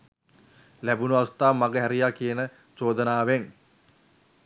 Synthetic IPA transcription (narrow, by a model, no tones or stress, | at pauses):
læbunuast̪aːmaɡəɦæɾijakijənə | t͡ʃoːd̪ənaːʋeŋ